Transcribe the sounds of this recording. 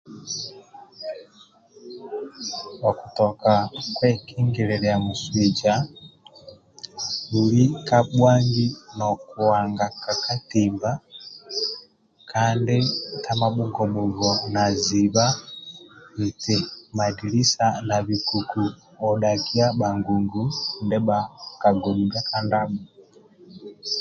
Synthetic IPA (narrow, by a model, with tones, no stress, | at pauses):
waku˨tɔkakwɛ˦kʰi˦ŋɡɛɾɛlɛamuswid͡ʒa | ɗuli˦kaɓwa˦ŋɡi˦nɔku˨waŋɡaka˨ka˦timba | kʰandi˦tʰama˦ɓu˦ɡɔ˨ɓu˨ɣɔnaziβa˦ | βi˨tɛma˨di˨li˦sana˨βi˨ku˨ku˨ | ɔ˨ɗa˨ki˦aɓa˨ŋɡu˨ŋɡu˦ndɛɓaka˨ɡɔ˨nu˨ɡa˦ka˦ndamu˨